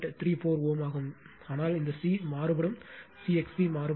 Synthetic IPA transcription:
ʈːt̪ʰɾiːfoːɾoːmaːɣɯm | aːnaːlɪnd̪ɐsiːmaːɾɯbɐɽɯmsiːɛksbimaːɾɯ

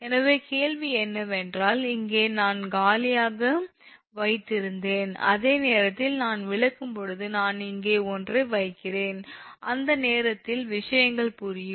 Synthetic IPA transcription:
ɛnɐʋeːkeːɻʋiɛnːɐʋɛndraːlɪŋɡeːnaːnɡaːlɪjaːɣɐ | ʋɐɪt̪ːɪɾɯnd̪eːnɐ̰ðeːneːɾɐt̪ːɪlnaːnʋɪɭɐkːɯmpɔɻɯðɯnaːnɪŋɡeːɔndrɯʋɐɪkːɪreːnʔɐnd̪ɐneːɾɐt̪ːɪlʋɪʂɐjɐŋɡɐɭpʊɾɪjɯm

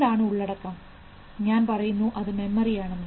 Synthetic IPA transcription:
ɖaːɳɨuɭːɐɽɐkːaːm | ɲaːnpɐrɐjunːuʔɐðɨme̞mːɐrijaːɳenːɐ

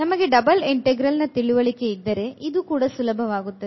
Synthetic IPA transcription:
nɐmɐɡe̞ɖɐbɐliɳʈeɡɾɐlnɐt̪iɭuʋɐɭike̞id̪ːɐɾe̞ʔid̪ukuːɽɐsulɐbʱɐʋaːɡut̪ːɐe

